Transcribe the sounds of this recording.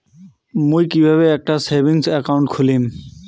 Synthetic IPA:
mũikiʋaːʋeeːk̚ʈaseːʋɪŋɡsɛkaʊɳʈkʰʊliːm

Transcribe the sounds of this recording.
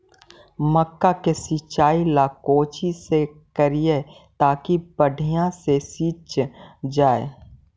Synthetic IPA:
məkːakesit͡ʃaːilaːkoːt͡ʃisekəɾije | t̪aːkibəɖʱijãsesiːt͡ʃd͡ʒaːe

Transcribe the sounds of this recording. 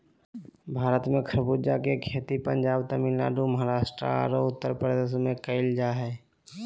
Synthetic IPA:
bʱaːɾət̪mẽkʰəɾbuːd͡ʒakekʰeːt̪ipə̃ɲd͡ʒaːbt̪əmilla̰ːɖuməɦaɾaːʃʈɾa̰ɾoʊt̪ːəɾpɾəd̪eːs̬mẽkəɪld͡ʒaɦɛː

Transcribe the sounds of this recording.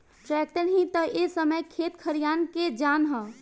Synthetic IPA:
ʈɾɛk̚ʈəɾɦĩt̪əesəməjkʰet̪kʰəɾijanked͡ʒanɦə̃

